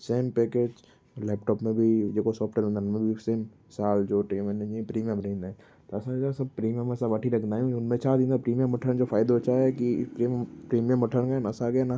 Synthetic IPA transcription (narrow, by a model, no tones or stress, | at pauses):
seːmpeːkeːd͡ʒ | lɛːp̚ʈɔːpmẽbʱid͡ʒeːkosɔːpʈeɾẽnd̪amẽbʱiseːm | saːld͡ʒoːʈeːmẽnẽipɾiːmijə̃mbɾẽːnd̪ɛ̃ | t̪oɐsãasɐb̚pɾiːmijə̃mẽsabɐʈʰiɾɐkʰnaːjũʊnmẽt͡ʃʰad̪ĩːnd̪apɾiːmijəmːɐʈʰəñd͡ʒofʰaːɪd̪aot͡ʃʰaɛkipɾiːmpɾiːmijəmːəʈʰənkanasaɡana